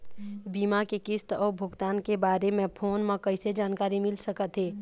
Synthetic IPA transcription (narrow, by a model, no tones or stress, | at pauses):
biːmakekɪst̪ɔːɾbʱʊɡt̪aːnkebaːɾemẽpʰoːnmẽkəɪsed͡ʒaːnkaːɾimɪlsəkət̪ɦeː